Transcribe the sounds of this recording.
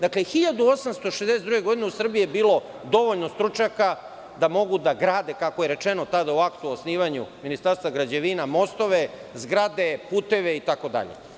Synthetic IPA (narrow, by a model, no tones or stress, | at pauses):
d̪aklexiʎad̪uo̞samst̪o̞ʃezd̪eset̪ɾuɡeɡo̞d̪ineusr̩biijebiːlo̞ | d̪o̞ʋo̞ʎnost̪ɾut͡ʃaka | d̪amo̞ɡud̪aɡɾaːd̪e̞kako̞jeɾe̞t͡ʃenot̪ad̪auakt̪uosniːʋaɲṵminist̪aɾst̪ʋaɡɾad͡ʑeʋinamo̞st̪o̞ʋe̞zɡɾad̪e̞puːt̪e̞ʋe̞it̪ako̞d̪a̰ʎḛ